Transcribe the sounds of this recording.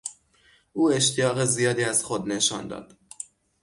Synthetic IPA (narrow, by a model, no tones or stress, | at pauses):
ʔuːe̞ʃt̪ʰijɒːɣezijɒːd̪iːæz̥xod̪ne̞ʃɒ̰ːnd̪ɒ̰ːd̪̥